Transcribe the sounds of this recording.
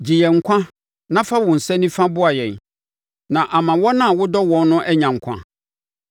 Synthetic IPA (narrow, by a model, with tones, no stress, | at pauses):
d͡ʑi˨jɛ˨ŋ̩˨kʷʰã˦ | nã˦fa˦wʊ̃˨n̩˨sɛ˦nĩ˦fã˦bʊ˦a˨jɛ̃˨n | nã˨ʔa˨mã˨wɔ̃˦nã˦˨wʊ˦dɔ˦wɔ̃˦nːʊ̃˦ʔɛ˦ɲã˨ŋ̩˨kʷʰã̰˦